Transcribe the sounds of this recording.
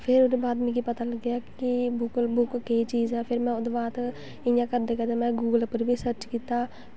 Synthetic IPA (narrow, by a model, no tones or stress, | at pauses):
pʰɪɾʊd̪ebaːd̪mĩkipət̪aːləɡɪjaːkibʊklbʊkːeit͡ʃiːzɛːpʰɪɾmɛ̃ːʊd̪baːt̪ | ɪjãːkəd̪eːkɛd̪emɛ̃ːɡuːɡəlpəɾbʱiːsəɾt͡ʃkiːt̪aː